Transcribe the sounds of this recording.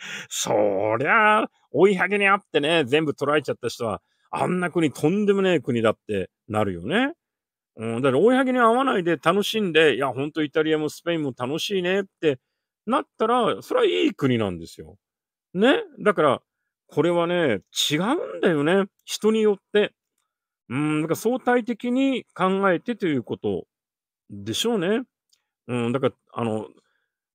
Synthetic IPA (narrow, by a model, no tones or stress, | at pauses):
so̞̰ːɾe̞a | oiɦaɡeɲ̟iat̪ːe̞ne̞zẽ̞mbɯ̟t̪o̞ɾae̞t͡ɕat̪ːaɕi̥t̪o̞βa̰ | a̰nːakɯ̟ɲ̟it̪ʰõ̞nd̪e̞monekɯ̟ɲ̟id̪at̪ːe̞ | naɾɯ̟jo̞̰ne̞ | ɯ̟̃ɴd̪akːoihaɡeɲ̟iːβanaid̪e̞t̪ano̞ɕĩnd̪e̞jahõ̞nt̪o̞it̪aɾʲiamosɨ̥pe̞ĩmːo̞t̪ano̞ɕiːne̞t̪ːe̞ | nat̪ːaɾaso̞ɾeaiːkɯ̟ɲ̟inã̰nd̪e̞sɨjo̞̰ | ne̞d̪akaɾa̰ | kʰo̞ɾe̞β̞ane̞t͡ɕiɡaɯ̟̃nd̪ajo̞ne̞ | çi̥t̪o̞ɲ̟ijo̞t̪ːe̞ | ɯ̟̃ɴd̪akaɾaso̞ːt̪ait̪̬e̞kʲiɲ̟ikãŋɡae̞t̪e̞t̪o̞jɯ̟ːko̞t̪o̞̰ | d̪e̞ɕo̞ːne̞ | ɯ̟̃d̪akaɾa | a̰no̞̰